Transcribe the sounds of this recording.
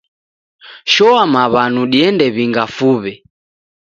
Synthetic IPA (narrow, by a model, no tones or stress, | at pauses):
ʃɔamaβanuɗiɛndɛβiŋɡafuβɛ